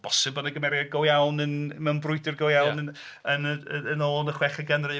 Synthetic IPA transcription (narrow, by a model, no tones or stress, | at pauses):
b̥ɔsɨbənəɡəmɛɾjaɡɔwjawnənmɛnbrʊɨdɪrɡɔwjawnən | ənənoːnəχwɛχəɡənrɨ